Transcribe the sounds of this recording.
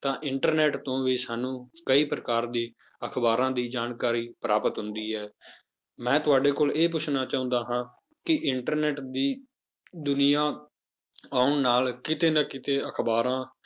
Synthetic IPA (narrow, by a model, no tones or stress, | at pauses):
t̪ãːʔɪɳʈəɾnɛːʈt̪õːʋiːsaːnũːkəiːpɾəkaːɾd̪iː | əkʰbaːɾãːd̪iːd͡ʒaːnkaːɾiːpɾaːpət̪ɦʊnd̪iːɦɛː | mɛ̃ːt̪ʊaːɖeːkoːleːp̬ʊt͡ʃʰnaːt͡ʃaːʊ̃nd̪aːɦãː | kɪʔɪɳʈəɾnɛːʈd̪iː | d̪ʊnɪjãː | aːʊɳnaːlkɪt̪eːnəkɪt̪eːəkʰbaːɾãː